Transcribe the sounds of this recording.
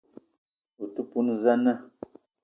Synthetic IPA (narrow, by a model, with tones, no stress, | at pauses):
u˨tu˦pu˦nza˦nə˦˨